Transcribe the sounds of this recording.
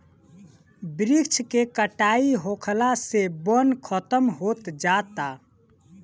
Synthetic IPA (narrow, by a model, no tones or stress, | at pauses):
bɾikt͡ʃʰkekəʈaiɦokʰlasebənkʰət̪əmɦot̪d͡ʒat̪a